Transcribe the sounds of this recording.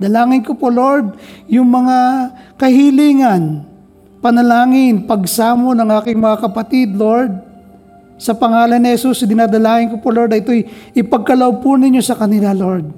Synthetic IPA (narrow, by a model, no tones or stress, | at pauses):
d̪ɐlaːŋɪnkopolo̞ɹd̪̚jʊŋmɐŋakɐhiliːŋɐn | pɐnɐlaːŋɪnpɐɡsaːmo̞nɐŋaːkɪŋmɐŋakɐpɐt̪id̪lo̞ɹd̪̚ | sɐpɐŋaːlɐnːɪhɛsusd̪ɪnaːd̪ɐlaːŋɪnkopolo̞ɾd̪ɐʔɪt̪ojʔɪpɐɡ̚kɐlɐʔob̚ponɪɲjo̞sɐkɐnɪlalo̞ɹd̪̚